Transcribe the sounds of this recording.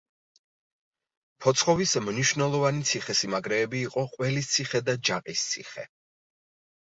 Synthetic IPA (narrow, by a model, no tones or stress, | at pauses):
pʰɔt̪sʰχɔvismniʃvnɛlˠɔvanit̪sʰiχɛsimaɡɾɛːbiːqʼɔqʼwɛlist̪sʰiχɛd̪ad͡ʒaqʼist̪sʰḭχɛ